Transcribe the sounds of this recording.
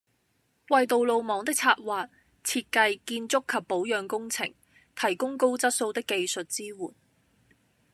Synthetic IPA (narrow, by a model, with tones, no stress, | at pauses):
wɐ˨jt̪o˨wlo˨wmɔː˨˧ŋt̪ɪ˥k̚t͡sʰaː˧t̚waː˨t̚ | t͡sʰiː˧t̚kɐ˧jkiː˧nt͡sʊ˥kʰːɐ˨pːo˨˥wjœː˨˧ŋkʊ˥ŋt͡sʰɪ̰˨˩ŋ | t̪ʰɐ˨˩jkʊ˥ŋko˥wt͡sɐ˥t̚so˧wt̪ɪ˥kːe˨jsɵ˨t̚t͡siː˥wuː˨˩n